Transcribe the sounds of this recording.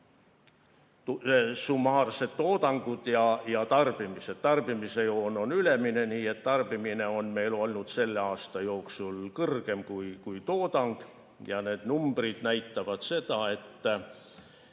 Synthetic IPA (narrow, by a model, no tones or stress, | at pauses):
sumɑːrse̞d̪̥t̪ːo̞ːd̪ɑŋɡ̥ud̪̥jɑjɑt̪ɑrb̥imise̞d̪̥t̪ɑrb̥imise̞joːno̞nyle̞mine̞niːe̞t̪ːɑrb̥imine̞o̞nme̞jlo̞lnud̪̥se̞lːeɑːst̪ɑjo̞ːksulkɤrɡ̥e̞mkujkujt̪o̞ːd̪ɑŋɡ̥ | jɑne̞ːd̪̥numb̥rid̪̥næjt̪ːɑvɑd̪̥se̞d̪̥ɑe̞t̪ː